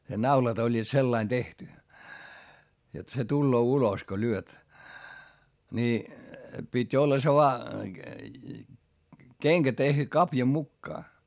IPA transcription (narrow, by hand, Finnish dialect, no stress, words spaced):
ne nɑulɑt olʲːiːt selːɑin tehty jot se tulːoː ulos ko lyøt nʲi pitʲ olːɑ se ʋoɑ keŋkæ tehty kɑpjɑ mukːɑː